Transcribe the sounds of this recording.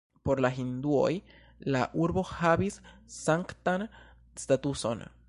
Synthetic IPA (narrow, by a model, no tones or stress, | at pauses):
poɾlaɦind̪uo̰j | laʔuɾboxaβisːaŋkt̪an | st̪at̪usona̰